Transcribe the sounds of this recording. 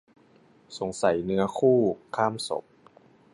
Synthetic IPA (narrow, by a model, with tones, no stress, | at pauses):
so˩˦ŋsa˨˩˦jnɯ˦˥ɐkʰuː˥˩kʰaː˥˩mso̰˨˩˦p̚